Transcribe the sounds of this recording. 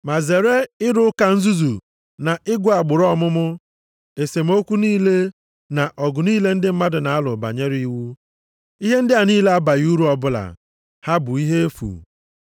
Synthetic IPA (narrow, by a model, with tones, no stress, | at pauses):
ma˨ze˨ɾe˦ɪ˦ɾʊ˦ʊ˦ka˨n̩˦zu˦zu˨ | na˨ʔɪ˦ɡʷʊ˨a˨ɡ͡bʊ˨ɾɔ˦˨mʊ˦mʊ˦ | e˨se˨m̩˦o˦kʷu˦niː˦le˦ | na˨ʔɔ˨ɡʊ˨niː˦le˦n̩˦dɪ˦m̩˦ma˦dʊ˨na˨a˦lʊ˨ba̰˨ɲe˦ɾi˦wu˦ | i˦ɦe˦n̩˦dɪ˦a˨niː˦le˦a˦ba˨ju˦ɾu˦ɔ˨bʊ˦la̰˨ | ha˦bʊ˨i˦ɦe˦e˦fṵ˨